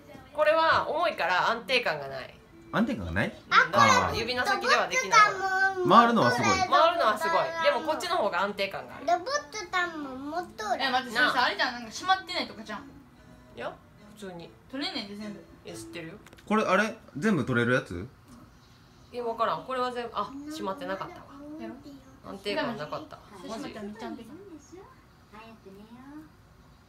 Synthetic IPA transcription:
ko̞ɾe̞βaomo̞ikaɾaãnt̪e̞ːkãŋɡana̰ḭ | ãnt̪ekã̰ŋɡa̰naiad̪ajɯbʲinasakkʲid̪e̞β̞ad̪ekinaimaaɾɯ̟noβasɨɡ̪ɡomaβaɾɯ̟no̞βasɨɡo̞id̪e̞mo̞ko̞t̚t͡ɕːino̞ho̞ːɡaãnt̪e̞ːkãŋɡa̰ːɾɯ̟d̪bot̪ːot̪ammomot̪ːoaknãɾit̪ãnãŋkaɕimat̪ːe̞nait̪okad͡ʑã | ja | ɸɯ̟t͡sɨːɲ̟it̪oɾenad̪esesɨ̥t̪ːe̞ɾɯjoko̞ɾeʔaɾe̞d͡zẽ̞mbɯ̟t̪o̞ɾe̞ɾɯ̟jat͡sɨ̰ | aβakaɾãŋko̞ɾe̞βazẽ̞mbɯʔaɕimat̪ːe̞nakat̪ːaka | ã̰nt̪e̞ːkkãnakat̪ːa̰oḭt͡ɕaek

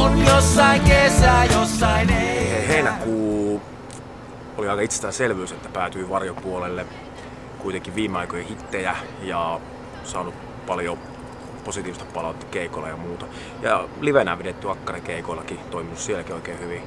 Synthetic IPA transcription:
onjosːɑiŋkesæːjosːɑiheiheinækuː | oliɑikɑit̪se̥st̪æːselʋyːset̪ːæpæːt̪yiʋɑrjopuolelːe | kuit̪eŋkiʋʋiːmeɑikojehit̪ːejæ | jɑ | sɑːnup | pɑljo | posit̪iːʋist̪e̥ppɑlɑˑut̪ːɑ̥keikolːˑɑ̰jɑmuːt̪ɑ | jɑ̰liʋenæːʋeɾet̪ːyɑkːɑrikeikoilːɑkit̪oiminussielækioikeːhyʋi

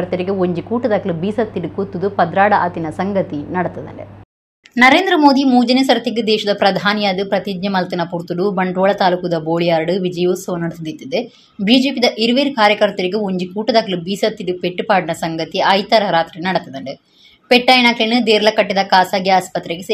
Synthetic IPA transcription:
ɐɾt̪ɐɾiɡeoɲd͡ʒikuːʈɐd̪ɐkɐlubiːsɐt̪ːiɖukut̪ːud̪upɐd̪ɾaːɽɐʔɐt̪inɐsɐŋɡɐt̪inɐɽɐt̪ːɐd̪ɐ̰ɳɖḛ | nɐɾeːnd̪ɾɐmoːd̪imuːd͡ʒɐnesɐɾɐt̪iɡed̪ɛːʃɐd̪ɐpɾɐd̪ʱaːnijaːd̪ɨpɾɐt̪id͡ʒ̪ɲɐmɐlt̪inɐpuɾt̪uɽubɐɳɖoːɭɐt̪aːlukud̪ɐboːɭijaːɾɐɽɨʋid͡ʒɐjʋosɐʋɐnɐɽɐt̪id̪it̪ːid̪e | biːd͡ʒeːpid̪ɐʔiɾuʋeːɾukaːɾjɐkɐɾt̪ɐɾiɡeoɲd͡ʒikuːʈɐd̪ɐkɐlubiːsɐt̪ːiɖupeʈːupaːɽinɐsɐŋɡɐt̪iɐjt̪ɐɾɐɾaːt̪ɾinɐɽɐt̪ːɐd̪ɐɳʈe | peʈːɐjnaːklenɨd̪eːɾɐlɐkɐʈːid̪ɐkaːsaːɡjɐaːspɐt̪ːɾeɡe

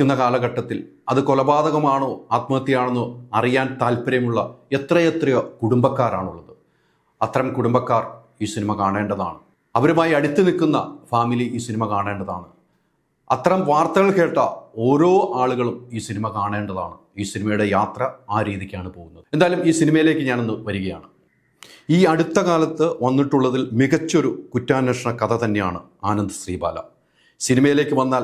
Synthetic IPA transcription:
unːɐkaːlɐɣɐʈːɐt̪ːil | ɐðɨkolɐbaːðɐɣɐmaːɳoːaːt̪mɐɐt̪ːijaːɳenːuɐrijaːnt̪aːlpɐɾɐjɐmuɭːɐe̞t̪rɐjet̪rijɐkuɽumbɐkːaːɾa̰ːɳuɭːɐðɨ | ɐt̪ːɐrɐmkuɽumbɐkːaːr | iːsinimɐkaːɳe̞ːɳɖɐða̰ːɳɨ | ɐʋɐɾumaːjiɐɽit̪ːɨnikːunːɐ̰faːmiliiːsinimɐkaːɳe̞ːɳɖɐða̰ːɳɨ | ɐt̪ːɐrɐmʋaːrt̪ɐɣɐɭke̞ːʈːɐo̞ːɾo̞ːʔaːɭuɣɐɭumiːsinimɐkaːɳeːɳɖɐðaːɳɨ | iːsinimɐjuɽe̞jaːt̪rɐaːɾiːðikʲːaːɳɨpo̞ːɣunːɐðɨend̪aːjɐlumiːsinimɐjile̞ːkːɨɲaːno̞nːɨʋɐɾuɣɐjaːɳɨ | iːɐɽut̪ːɐkaːlɐt̪ːɨʋɐnːiʈːuɭːɐðilmiɣɐt͡ɕːo̞ɾukutːaːnːɐʂɐɳɐkɐt̪ʰɐt̪ɐnːe̞ja̰ːɳɨ | aːnɐnd̪ɨsriːba̰ːlɐ̰ | sinimɐjile̞ːkːɨʋɐnːaːl

